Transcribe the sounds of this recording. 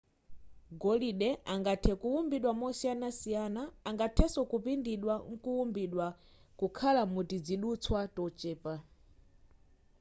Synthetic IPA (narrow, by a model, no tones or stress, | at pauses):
ɡɔliɗɛʔaŋɡatʰɛkuwumbiɗwamɔsianasijanaːŋɡatʰɛsɔkupindiɗwaŋ̩kuwumbiɗwa | kukʰalamutid͡ziɗut͡sʰwatɔt͡ʃɛːpa